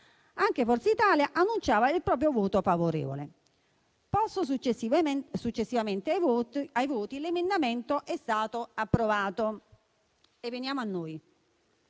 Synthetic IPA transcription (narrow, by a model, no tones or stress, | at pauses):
aŋk̟efɔrt̪seit̪aːljaʔanːunt͡ʃaːvailpɾɔːp̬ɾjovoːt̪ofavoɾɛ̰ːvo̰lḛ | pɔsːosut͡ʃ | sut͡ʃːesːivamɛnt̪aajvoːt̪ilemend̪amɛnt̪oʔɛst̪aːt̪oapːɾovaːt̪o | evːenjaːmoanːoːj